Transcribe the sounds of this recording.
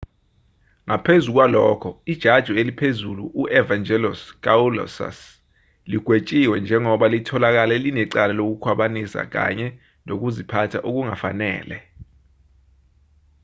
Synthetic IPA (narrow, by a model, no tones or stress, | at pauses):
ŋapʰezuk̬walɔːkʰɔid̥ʒ̥ʱad̥ʒ̥ʱɔelipʰezuluʔuʔɛvand͡ʒʱɛlɔskʼaulɔ̰sa̰s | liɡ̥ʱwet͡ʃʼiwɛnd͡ʒʱɛŋɔɓalitʰɔlak̬alɛlinɛǀalalok̬ukʰwaɓanisa̰k̬a̰ɲɛ | nok̬uzipʰatʰa̰ʔuk̬uŋafanɛ̰ːlɛ